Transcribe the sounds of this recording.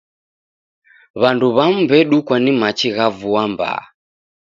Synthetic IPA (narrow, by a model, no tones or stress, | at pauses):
βanduβam̩bɛɗukwanimat͡ʃiɣavuamba̰